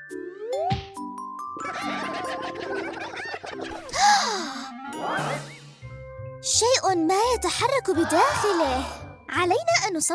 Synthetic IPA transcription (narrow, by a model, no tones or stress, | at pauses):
ʃaːʔmajat̪aħɑrˤːɑkbɪd̪aːxɪlɪh | ʕalajnaʔanːʊsˤɑ